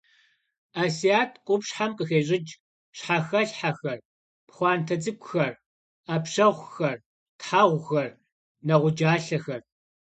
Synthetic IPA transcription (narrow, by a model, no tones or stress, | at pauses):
aːsijaːtʰkʷʼʊpɕħamqʼəxeːɕʼɪd͡ʒ | ɕħaxɐɬħaxɐr | pχʷɑːntʰɐd͡zɨkʷʼʊxɐr | aːpɕɐʁʷxɐr | tħaʁʷxɐr | nɐʁʷʊd͡ʒaːɬɐxɐr